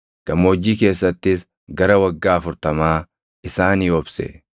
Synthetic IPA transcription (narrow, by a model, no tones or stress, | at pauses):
ɡ̥ɐmːoːd͡ʒːiːke̞ːsːɐt̪ːɪs | ɡɐɾɐwɐɡːaːɐfʊɾt̪ɐmaː | ɪsaːniːɔbsɛ̰